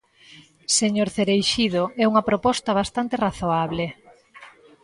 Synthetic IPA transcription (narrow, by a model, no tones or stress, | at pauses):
seɲoɾθeɾejʃið̞oɛuŋɐpɾopɔst̪ɐβ̞ast̪ant̪eraθoaβle